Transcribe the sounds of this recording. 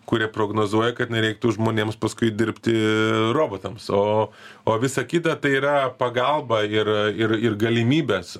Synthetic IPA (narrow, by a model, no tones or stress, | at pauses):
kʊɾʲiɛpɾoːɡnoːzuɔjɛkɐt̪nʲɛɾʲɛɪk̚t̪ʊʒmoːnʲeːmspɐskʊɪd̪ʲɪɾʲpʲt̪ʲɪɾoːboːt̪ɐmsoːoːʋʲɪsɐkʲɪːt̪ɐt̪ɐɪiːɾɐpɐɡɐlˠbɐɪrɪrɪrɡɐlʲɪmʲiːbʲɛːs